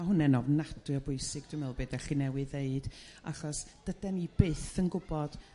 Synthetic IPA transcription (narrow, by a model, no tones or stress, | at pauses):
aɦʊnɛnɔvnad̥ɨɔbʊɨsɪɡ̚d̥ɪmɪlˠbeːdɛɬinɛwɨðeɨd̥ | a̰χɔsd̥ədɛnibeːθənɡʊbɔd̥